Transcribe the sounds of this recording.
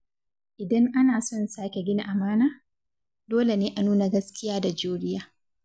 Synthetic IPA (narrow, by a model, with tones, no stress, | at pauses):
ʔɪ˨dɐ˦ŋʔa˦naː˨sɔ˦˨nsaː˦kʲe˨ɡʲɪ˦ni˨ʔa˨maː˦naː˦ | doː˦le˨neː˦ʔa˨nuː˦na˨ɡɐ˦skʲɪ˦jaː˦da˨d͡ʒuː˦ɽɪ˦jaː˦